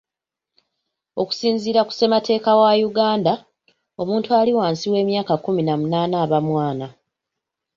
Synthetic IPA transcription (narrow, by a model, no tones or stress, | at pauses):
o̞̰ku̥siːnziːɾaku̥se̞matʰe̞ːkawajuɡaːnda | o̞muːntualiwaːnsiwe̞ːmjaːkakuminamunaːnaːβamwaːna